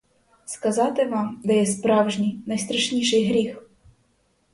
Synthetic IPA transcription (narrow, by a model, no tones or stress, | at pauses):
skɐzɑt̪ɪʋɑmd̪ɐjɛspɾɑwʐnʲijnɐjst̪ɾɐʂnʲiʂɪjɦɾʲix